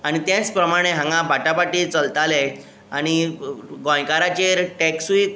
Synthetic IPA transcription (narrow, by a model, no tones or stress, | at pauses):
aɽ̃it̪jãt͡spɾəmaɽ̃eɦãŋɡãbʱaʈapaʈiːt͡səlt̪ale | ãiɡɔ̃jkaɾat͡ɕeɾʈɛksui